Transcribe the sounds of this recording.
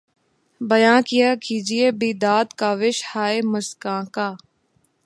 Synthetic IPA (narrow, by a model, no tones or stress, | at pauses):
bɐjãːnkijaːkiːd͡ʒieːbiːd̪aːd̪kaːʋɪʃhaːeməskãːkaː